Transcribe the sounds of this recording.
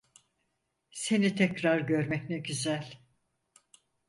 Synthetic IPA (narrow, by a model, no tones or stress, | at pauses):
se̞nit̪ʰɛcɾaɾɟøɾmɛcnɛɟyzælʲ